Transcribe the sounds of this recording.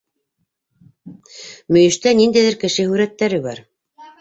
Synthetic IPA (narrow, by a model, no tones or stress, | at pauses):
mɵ̆jɘ̆ʃt̪ænind̪æjðɘɾkɘ̆ʃɘhʉɾæt̪ːæɾɘβɑ̰ɾ